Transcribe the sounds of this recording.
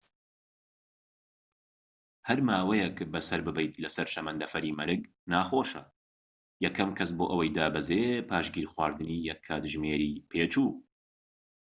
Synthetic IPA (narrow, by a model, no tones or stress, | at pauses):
hɐɾmaːwɛjɛkbɐsɐɾbɨbɛjt̪lɐsɐɾʃɐmɐnd̪ɐfɐɾiːmɐɾɨɡ | naːxoːʃɐ | jɛkʰɐmkʰɐs̬boːʔɐwɐjd̪aːbɐzepʰaːʃɡiːɾxwaːɾd̪ɨniːjɛkʰːaːt̪ʒmeːɾiːpʰeːt͡ʃuː